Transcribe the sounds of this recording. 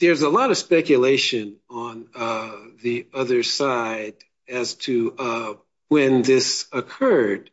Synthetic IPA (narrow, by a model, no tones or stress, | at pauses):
ðə˞zəlɔɾʌv̥spɛkjɨleɪʃɨ̃nə̃n | ðiʌðə˞saɪɾ | ɨz̥tʰɨ | wɨ̃nðɪsɨkʰɜ˞d̥̚